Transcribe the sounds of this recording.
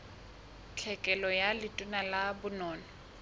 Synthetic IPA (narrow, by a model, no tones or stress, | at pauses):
t͡ɬʰɛkʼɛlɔjalɪtʼʊnalabʊnɔːnɔ